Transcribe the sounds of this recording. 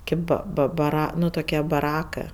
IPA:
ˈkʲeːp bɐ ˈbɐ bɐˈrɐ ˈnʊ toːˈkʲiɛ bɐˈrɑːkɜ

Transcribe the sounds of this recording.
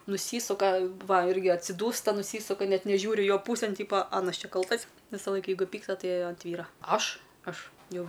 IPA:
nʊˈsʲiːsʊkɐ ˈʋɐ ˈɪrʲɡʲɪ ɐtʲsʲɪˈduːstɐ nʊˈsʲiːsʊkɐ ˈnʲɛt nʲɛˈʒʲuːrʲɪ ˈjoː ˈpuːsʲeːn ˈtʲiːpoː ˈɑːnɐs ˈt͡ʃʲɛ ˈkɐlˠtɐs ʋʲɪsɐˈlˠɐɪk ˈjɛɪɡʊ pʲiːkstɐ ˈtɐɪ ɐnt ˈʋʲiːrɐ ˈɐʃ ˈɐʃ jɛʊ

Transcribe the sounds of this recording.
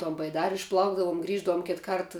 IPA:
toːn bɐɪˈdɑːrʲɪ ɪʃˈplˠɐʊɡdɐʋʊm ˈɡrʲiːʒdɐʋʊm ˈkʲɪt ˈkɐrt

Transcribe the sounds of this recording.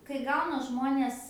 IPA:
kɐɪ ˈɡɐʊnɐ ˈʒmoːnʲeːs

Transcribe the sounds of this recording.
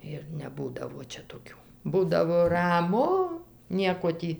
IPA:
ɪr nʲɛˈbuːdɐʋoː ˈt͡ʃʲɛ toːˈkʲuː ˈbuːdɐʋoː rɐˈmʊ ˈnʲiɛkoː ˈtʲiː

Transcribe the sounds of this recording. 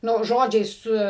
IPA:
ˈnʊ ˈʒoːd͡ʒʲɛɪ ˈsʊ

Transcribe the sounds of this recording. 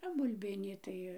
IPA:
oː bʊlʲˈbʲɪnʲiː tɐɪ

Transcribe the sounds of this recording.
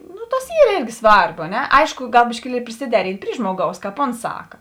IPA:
ˈnʊ ˈtɐs ˈiːr ˈeːrʲɡʲɪ ˈsʋɐrbʊ ɐ ˈnʲɛ ˈɐɪʃkʊ ˈɡɐlˠ bʲɪʃʲkʲɪˈlʲiɛlʲɪ pʲrʲɪsʲɪˈdʲæːrʲɪnʲtʲ ˈpʲrʲiː ˈʒmoːˌɡɐʊs ˈkɑːp ˈoːns ˈsɑːkɐ

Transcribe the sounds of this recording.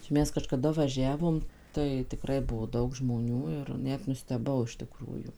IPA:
t͡ʃʲɛ ˈmʲɛs kɐʃkɐˈdɐ ʋɐˈʒʲæːʋoːm ˈtɐɪ tʲɪˈkrɐɪ ˈbuɔ ˈdɐʊk ʒmoːˈnʲuː ɪr ˈnʲɛt nʊsʲtʲɛˈbɐʊ ɪʃ tʲɪˈkruːjuː

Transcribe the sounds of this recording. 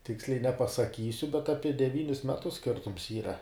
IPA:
ˈtʲɪksʲlʲɛɪ nʲɛpɐsɐˈkʲiːsʲʊ bʲɛt ˈɑːpʲiɛ dʲɛˈʋʲiːnʲɪs mʲɛˈtʊs ˈsʲkʲɪrtʊms ˈiːˈrɐ

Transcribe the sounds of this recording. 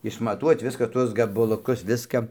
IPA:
ɪʃmɐˈtuɔt ˈʋʲɪskɐ ˈtuɔs ɡɐbɐlˠʊˈkʊs ˈʋʲɪskɐ

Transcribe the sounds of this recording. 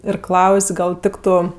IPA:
ɪr ˈklˠɐʊsʲ ˈɡɐlˠ ˈtʲɪktʊ

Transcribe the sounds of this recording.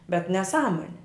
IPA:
bʲɛt nʲɛˈsɑːmoːnʲɪ

